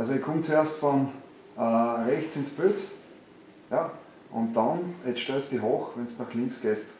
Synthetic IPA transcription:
ʔalsoekʰʊmt͡sueɐstfɔn | əːʁɛçt͡sɪnsb̥øːt | ja | ʔʊ̰̃nt̚d̥ɑnɛʃtøstd̥iɦoːxvɛnsnɑχlɪŋksɡ̥eːst

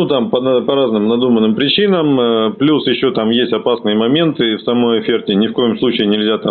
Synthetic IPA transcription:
nut̪ampənpɐɾaznɨmnɐd̪umənːɨmpɾʲɪt͡ɕinəmplʲusjɪɕːo̞t̪amjesʲtʲɐpasnɨjəmɐmʲe̞nt̪ɨfsɐmo̞jɐfʲertʲɪnʲɪfko̞jɪmslˠut͡ɕɪɪnʲɪlʲzʲat̪a

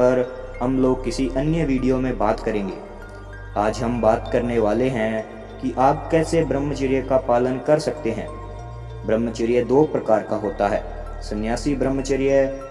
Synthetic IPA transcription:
ɐɾ | ɦɐmloːɡ̚kɪsiʔɐnjəʋiːɖijomẽbaːt̪kɐɾẽːŋɡḛː | aːd͡ʒɦɐmbaːt̪kɐɾneʋaːleɦɛ̃ | kiʔaːp̚kɛːsebɾəmːət͡ʃəɾijəkapaːlənkɐɾsɐk̚t̪eɦɛ̰̃ː | bɾəmːət͡ʃəɾijəd̪oːpɾɐkaːɾkaɦoːt̪aɦɛː | sɐnjaːsibɾəmːət͡ʃəɾijə

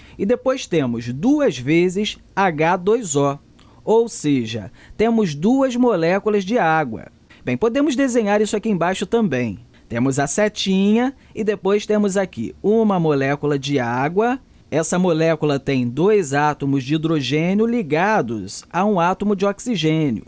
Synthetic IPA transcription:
ɪd̪epojst̪ẽmʊzd̪uɐzvezɪs | aɡad̪ojzɔ | owseʒɐ̰t̪ẽmʊzd̪uɐzmolɛkulɐzd͡ʒɪaɡwɐ̰ | b̥ẽj̃pod̪ẽmʊzd̪ezẽɲaɾisʊakiẽj̃bajʃʊt̪ɐ̃mbẽj̃ | t̪ẽmʊzɐsɛt͡ʃĩɲɐ | ɪd̪epojst̪ẽmʊzakḭũmɐmolɛkulɐd͡ʒɪaɡwɐ | ɛsɐmolɛkulɐt̪ẽj̃d̪ojzat̪omʊzd͡ʒɪid̪ɾoʒẽnjʊliɡad̪ʊzaũat̪omʊd͡ʒɪɔksiʒẽnjʊ̰

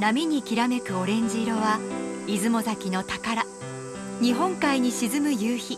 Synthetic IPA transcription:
namʲiɲ̟ikʲiɾame̞kɯ̟o̞ɾẽ̞ɲ̟d͡ʑiɾo̞βaizɨmo̞zakʲino̞t̪akaɾa | ɲ̟iɦõ̞ŋkaiɲ̟iɕizɨmɯ̟jɯːçi

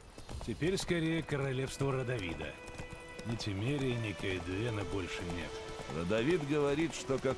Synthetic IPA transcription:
tʲɪpʲeɾʲskɐɾʲejəkəɾɐlʲefst̪vəɾəd̪ɐvʲḭd̪ə̰ | nɪtʲɪmʲeɾʲɪjɪnʲekəjɪd̪lʲenəbo̞lʲʂɨnʲḛt̪rə̰d̪ɐvʲid̪ɡəvɐɾʲit̪ʂt̪oka

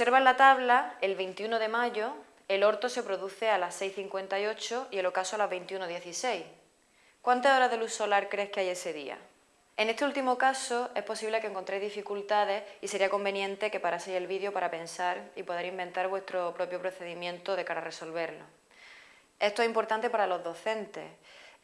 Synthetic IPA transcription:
seɾβalat̪aβlae̞lβe̞jnt̪iuno̞ðe̞maʝo̞ | e̞lo̞ɾt̪o̞se̞pɾoðuθealase̞jθiŋkwe̞nt̪ajo̞t͡ʃoie̞lo̞kasoalaβe̞jnt̪iunoðje̞θise̞j | kwant̪aso̞ɾaðe̞luso̞laɾkɾe̞hkeaje̞se̞ðia̰ | e̞ne̞st̪eult̪imo̞kaso̞e̞hpo̞siβle̞keŋkont̪ɾejzðifikult̪að̞e̞hise̞ɾiako̞mbẽ̞njẽ̞nt̪e̞ke̞paɾasejelβiðjo̞paɾape̞nsaɾipo̞ð̞e̞ɾimbe̞nt̪aɾβwe̞st̪ɾopɾo̞pjo̞pɾo̞θe̞ðimjẽ̞nt̪o̞ð̞e̞kaɾare̞so̞lβe̞ɾlo̰ | e̞st̪oeimpo̞ɾt̪ant̪e̞paɾalo̞ɦðo̞θe̞nt̪e̞̰

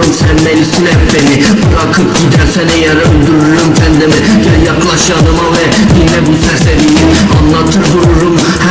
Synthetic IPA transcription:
msænːænist̪ilæpbenibɯɾɑkʰɯpɟid̪æɾsænɛjɑɾølʲd̪uɾuɾumsʰænd̪ɛmɛjɛjɑklˠɑʃjɑnɯmɑvɛ | jenɛbut̪ʰæɾsɛvini | ɑnlːˠɑt̪ʰɯɾd̪uɾuɾum | h

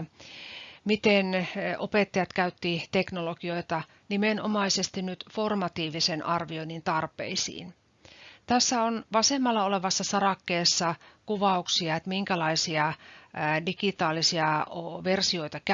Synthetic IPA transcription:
mit̪enopet̪ːɑjɑt̪kæyt̪ːit̪eknolokio̞it̪ɑ | nimenomɑisest̪innyt̪formɑt̪iːʋisenʔɑrʋioinint̪ɑrpḛisḭːn | t̪æsːæonʋɑsemːɑlːɑoleʋɑsːɑsɑrɑkːeːsːɑkuʋɑuksiɑet̪miŋkælɑisiɑ | dikit̪ɑːlisiɑoʋersioit̪ɑk

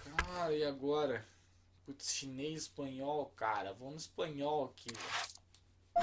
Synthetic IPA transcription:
kaɾɐiaɡɔɾɐ | put̪ɐ̥ʃinejɪspɐ̃ɲɔwkaɾɐ̰vownʊispɐ̃ɲɔwɐkʰika

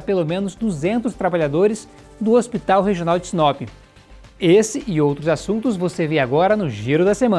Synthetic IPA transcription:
pelomẽnʊzd̪uzẽnt̪ʊst̪ɾabaʎad̪oɾɪz | d̪ʊospit̪awɦeʒionawd͡ʒɪsinɔpʊ | esɪʔɪowt̪ɾʊzasũnt̪ʊzvoseveɾaɡɔɾɐnʊʒiɾʊd̪ɐsemɐ̃

